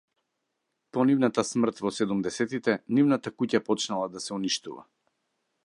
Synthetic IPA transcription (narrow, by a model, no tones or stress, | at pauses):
pɔnivnat̪asmr̩t̪vɔsɛd̪umd̪ɛsɛt̪it̪ɛnivnat̪akucapɔt͡ʃnalˠad̪asɛuniʃt̪ṵva̰